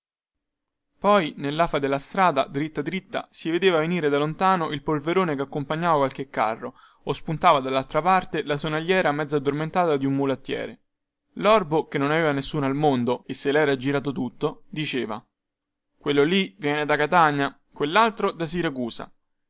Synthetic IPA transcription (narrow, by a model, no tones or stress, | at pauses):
pɔjnelːaːfad̪elːast̪ɾaːd̪a̰d̪ɾit̪ːad̪ɾit̪ːa̰sived̪eːvaveniːɾed̪alont̪aːnoʔilpolveɾoːnekeakːompaɲːaːvakwalk̟ekːa̰rːo | ospunt̪aːvad̪alːalt̪ɾapart̪elasonaʎːɛːɾamɛd̪zːad̪ːorment̪aːt̪ad̪iumːulat̪ːjɛ̰ːɾe | lɔrbokenːonaveːvanesːuːnalmond̪oesːelɛːɾad͡ʒiɾaːt̪̬ot̪ut̪ːod̪it͡ʃeːva̰ | kwelːolivjɛːned̪akat̪aɲːa | kwelːalt̪ɾod̪as̬iɾakuːsa̰